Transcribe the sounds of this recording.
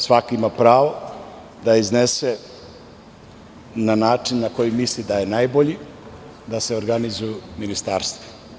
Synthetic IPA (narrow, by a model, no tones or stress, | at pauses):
sʋakoimapɾaːʋo | d̪aiznese | nanaːt͡ʂinːako̞jimislid̪ajenajboʎi | d̪ase̞oɾɡanizujuminist̪aːɾst̪ʋo̥